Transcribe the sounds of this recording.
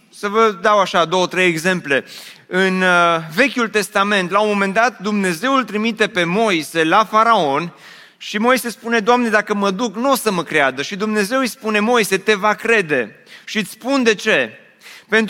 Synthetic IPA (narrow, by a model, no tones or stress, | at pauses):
səvəd̪awaʃad̪o̞wət̪ɾe̞jeɡze̞mple̞ | ɨnve̞kʲult̪e̞st̪ame̞nt̪laomːo̞me̞nd̪at̪̚d̪umne̞ze̞wult̪ɾimit̪e̞pe̞mo̞jse̞lafaɾao̞n | ʃimo̞jse̞spune̞d̪oamne̞d̪akəməd̪uknosəməkɾead̪əʃid̪umne̞ze̞wijspune̞mo̞jse̞t̪e̞vakɾe̞d̪e̞ʃit̪spund̪e̞t͡ʃe̞ | pe̞nt̪